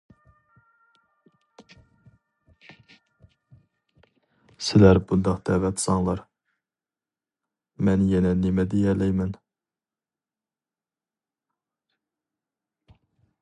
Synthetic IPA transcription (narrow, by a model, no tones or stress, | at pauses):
sɪlæɾbund̪ɑqd̪̥ɛːvɛt̪ʰsɑŋlˠɑɾ | mɛnjenɛnemɛd̪ejɛɾlɛjmɛn